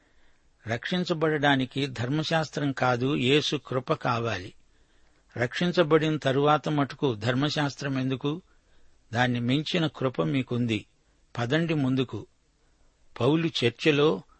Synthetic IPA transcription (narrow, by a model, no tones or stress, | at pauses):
ɾɐkʂiɲt͡ʃɐbɐɽɐɽaːnikid̪ʱɐɾmɐʃaːst̪ɾɐmkaːd̪uje̞ːsukɾʊpɐkaːʋaːli | ɾɐkʂiɲt͡ʃɐbɐɽinɐt̪ɐɾuʋaːt̪ɐmɐʈukud̪ʱɐɾmɐʃaːst̪ɾɐme̞nd̪uku | d̪aːnːimeɲt͡ʃinɐkɾʊpɐmiːkund̪i | pɐd̪ɐɳɖimund̪uku | pɐwlut͡ʃɐɾt͡ʃɐlo̞ː